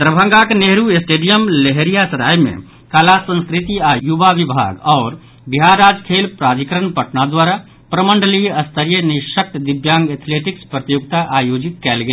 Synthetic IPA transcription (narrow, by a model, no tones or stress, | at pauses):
t̪ɾəbʱə̃ŋɡakeneɦɾuesʈeɖijəmleɦeɾijasəɾa̰jmḛ | kalasə̃nskɾit̪iajubabibʱa̰ɡɔːɾ | biɦaɾad͡ʒkʰelpɾad͡ʒikɾənpəʈnad̪waɾa | pɾəməɳɖʱəlijəst̪ʰəɾijəniʃək̚t̪d̪ibjãŋɡet̪ʰleʈikspɾət̪ijuɡt̪aʔajod͡ʒit̪̚kɛlɡe